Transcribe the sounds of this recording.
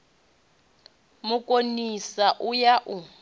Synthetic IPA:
mʊkʼonisaʔʊjaʔʊ

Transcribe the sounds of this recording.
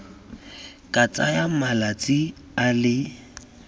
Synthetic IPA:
kʼat͡sʼajamalat͡sʼɪ | alɪ

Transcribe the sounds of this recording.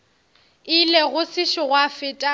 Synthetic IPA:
ɪleɣʊsɪʃɪɣwafɪtʼa

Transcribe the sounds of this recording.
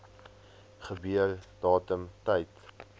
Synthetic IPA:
χəbyərd̥ɑːtəmtɛjt

